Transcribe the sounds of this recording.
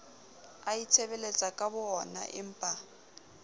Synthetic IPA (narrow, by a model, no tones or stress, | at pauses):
ait͡sʰeβɛlet͡sʼakʼabʊɔna̰ʔɪ̰m̩ːpʼa